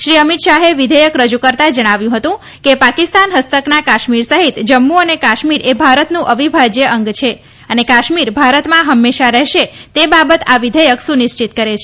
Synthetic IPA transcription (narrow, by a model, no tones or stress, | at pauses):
ʃɾiəmit̪ʃaɦeʋid̪ʱəjəkɾəd͡ʒukəɾt̪ad͡ʒəɽ̃aʋjũɦət̪ũ | kepakist̪anɦəst̪əknakaʃmiɾsəɦit̪d͡ʒəmːuənekaʃmiɾebʱaɾət̪nũʔəʋibʱad͡ʒjəʔəŋɡt͡ʃʰe | ənekaʃmiɾbʱaɾət̪mãɦəmːeʃaɾɛɦʃet̪ebabət̪aʋid̪ʱəjəksunɪʃt͡ʃit̪kəɾet͡ʃʰe